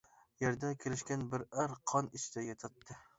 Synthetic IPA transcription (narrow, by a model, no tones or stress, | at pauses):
jeɾd̪akʲʰɪɾɪʃkʲanbɪɾaɾqʰɒnɪʃt̪ajɛt̪ʰat̪ːɪ